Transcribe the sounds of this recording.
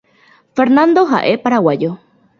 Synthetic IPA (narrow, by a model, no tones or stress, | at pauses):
feɾnand̪oɦa̰ʔepaɾawajo